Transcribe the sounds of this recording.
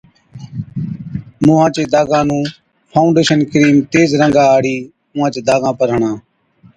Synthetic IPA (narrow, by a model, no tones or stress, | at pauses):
mũːãːt͡ʃeːd̪aːɡãːnũː | pʰaːʊɳɖeːʃənkɾiːmt̪eːzɾə̃ŋɡãːaːɽiː | ʊ̃ːãːt͡ʃeːd̪aːɡãːpəɾəɳãː